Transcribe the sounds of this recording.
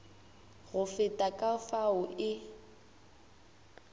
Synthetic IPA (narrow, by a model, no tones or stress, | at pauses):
ɣʊfɪtʼakʼafaʊʔɪ